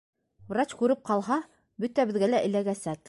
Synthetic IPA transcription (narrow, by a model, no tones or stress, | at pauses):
vrat͡ɕkʉɾɘp̚qɑlˠɦɑ | bɵt̪æbɘ̆ðɡælæʔɘ̆læɡæsæt̪